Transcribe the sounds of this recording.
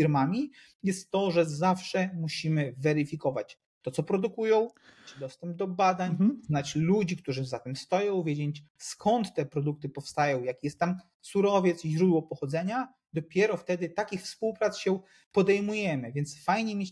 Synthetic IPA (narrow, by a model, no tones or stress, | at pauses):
iɾmamʲi | jɛst̪ːɔʐɛzafʂɛmuɕimɘvɛɾɘfʲikɔvat͡ɕ | t̪ːɔt̪sɔpɾɔd̪ukujɔ̃w̃ | t͡ʂɘd̪ɔst̪ɛmb̚d̪ɔbad̪aɲznat͡ɕlud͡ʑikt̪uʐɘzat̪ɛmst̪ɔjɔ̃w̃vʲjed͡ʑeɲt͡ɕskʰɔnt̪ːɛpɾɔd̪uk̚t̪ɘpɔfst̪ajɔ̃w̃jakjɛst̪ːam | suɾɔvʲjɛt̪siʑɾud̪wɔpɔxɔd̪zɛɲa | d̪ɔpʲjɛɾɔft̪ɛd̪ɘt̪akʲixfspuwpɾat̪sɕɛ | pɔd̪ɛjmujɛmɘvʲjɛnt̪sfajɲɛmʲet͡ɕ